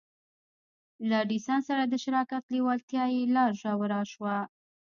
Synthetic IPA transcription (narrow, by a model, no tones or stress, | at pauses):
laɖisansaɾad̪əʃɪɾɑkat̪lewɑlt̪jɑjelɑɾʒɑwəɾɑʃwa